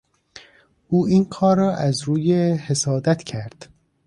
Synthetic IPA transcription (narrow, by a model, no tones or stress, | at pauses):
ʔuːʔiːnkʰɒːɾɒːʔæzɾuːjehesɒːd̪æt̪ʰcʰæɾd̪̥